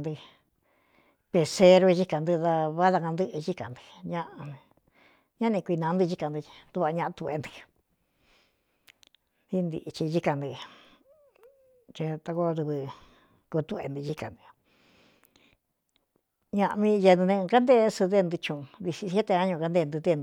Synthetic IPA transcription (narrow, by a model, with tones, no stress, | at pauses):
nd̪ɨ˧ | pe˧se˧ɾu˧ʒi˦ka˨nd̪ɨ˧ða˧βa˦ða˧kã˧nd̪ɨ˦ʔʒi˦ka̰˨nd̪ɨ˧ɲã˦ʔa˧ | ɲã˦nĩ˧kʷi˧nã˧˦nd̪ɨ˧ʒi˦ka˧nd̪ɨ˧d̪u˧βa˧ɲã˧ʔa˧t̪u˧ḛ˧nd̪i̥˧ | d̪i˦nd̪ḭ˧˨˧t͡ʃi˧ʒi˦ka˧nd̪i˧ | t͡ʃẽ˧t̪a˧ko˦˧ɾu˧βɨ˧ | ku˧t̪u˧ḛ˧nd̪ɨ˧ʒi˦ka˨nd̪ɨ˧ | ɲã˧ʔmĩ˧je˧nd̪u˧nẽ˧ka˦nd̪e˦sɨ˧ðe˦˧nd̪u˧t͡ʃũ˧ði˧si˧˦e˦t̪e˧ã˦ɲõ˧ka˧nd̪e˧nd̪ɨ˧ðe˦˧nd̪